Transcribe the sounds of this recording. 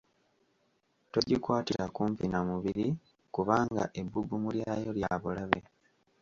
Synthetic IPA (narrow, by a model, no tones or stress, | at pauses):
to̞ɟikwaːtiɾakuːmpinamuβiɾi | kuβaːŋɡa̰ʔe̞bːuɡumuljaːjo̞ljaβulaβe̞̰